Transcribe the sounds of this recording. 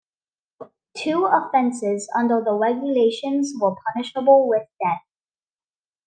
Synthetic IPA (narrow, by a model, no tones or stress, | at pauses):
tʰuəfɛ̃nsɪzʌ̰̃ndə˞ðəɹɛɡjəleɪʃə̃nzwə˞pʰʌnɪʃəbəl̩ˠwɪðd̥ɛθ̚